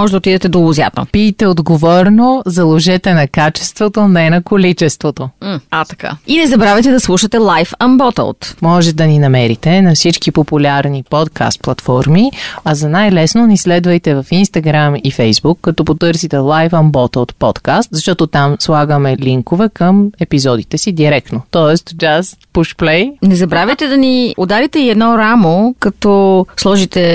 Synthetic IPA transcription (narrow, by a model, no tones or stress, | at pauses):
mɔʒɛd̪ɐot̪id̪ɛt̪ɛd̪olʊzja̰t̪ɐ̰piːt̪ɛod̪ɡovɔɾnozɐlˠoʒɛt̪ɛnɐkat͡ʃɛ̥st̪vot̪onɛnɐkolit͡ʃɛst̪vot̪oat̪ɐka̰inɛzɐbɾavɛt̪ɛd̪ɐslˠuʃɐt̪ɛlˠajfɐmbɔt̪ə̰lˠt̪mɔʒɛt̪d̪ɐninɐmɛɾit̪ɛnɐfsit͡ʃkipopʊlʲaɾnipɔt̪kʰa̰st̪̚plˠɐt̪fɔɾmiɐzɐnajlɛsnonislɛd̪vɐjt̪ɛvɐfinst̪ɐɡɾamifɛjzbukːɐt̪ɔpot̪ɤɾsit̪ɛlˠajfɐmbɔt̪əlˠt̪pɔt̪kast̪zɐʃt̪ɔt̪ot̪amslˠaɡəmɛliŋkovɛkəmɛpizɔd̪it̪ɛsid̪iɾɛk̚t̪not̪ɔɛst̪d͡ʒast̪puʃplɛjnɛzɐbɾavʲəjt̪ɛd̪ɐniod̪aɾit̪ɛiɛd̪nɔɾamokɐt̪ɔslˠɔʒit̪ɛ